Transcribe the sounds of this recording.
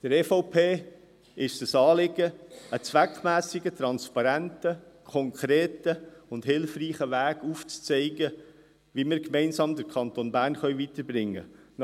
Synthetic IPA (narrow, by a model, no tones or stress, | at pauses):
d̥əɾɛfɔʊpʰeː | ɪʃd̥əsɑːlɪɡəət͡sʋækmæːsɪɡətɾɑnspɑɾæntəkʰɔŋkʰɾeːtəʊndɦɪlfriːχəʋæːɡ̥uːft͡st͡sɛɪɡə | ʋimɪːɾkmɛɪnsɑmdəɾkʰɑnt̪onbæːɾnχœʏʋitəɾbɾɪŋːə̰n